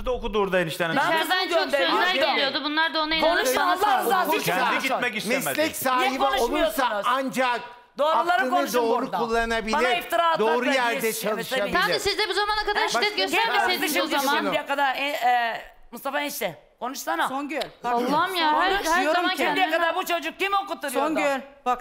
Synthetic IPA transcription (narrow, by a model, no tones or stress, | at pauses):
d̪okud̪uɾd̪aeniʃt̪ɛnɛølæɾelʲijod̪ubunlˠaɾd̪aonaonuʃaaaaiɡit̪mɛimɛlʲɛksaːɦiboinuʃolmˠujosaand͡ʒak̚ | d̪o̞ːɾulˠaɾɯɯnkonɯuʃd̪oːɾukd̪aulˠːanabilbanʲaift̪iɾaat̪d̪oaːɾujæɾd̪ɛt͡ʃʰaɯʃt̪aamisizd̪ɛbuzamanakad̪aɾʃaɛt̪ɡøid̪it̪iʃiijɛkad̪aɾɛɛ | must̪afaniʃt̪ɛ | kʰo̞nuʃsanaonɡɛlaːamja | id̪ijɛkad̪aɾbut͡ʃʰo̞d͡ʒuk̚cimokut̪ːuɾujonɛla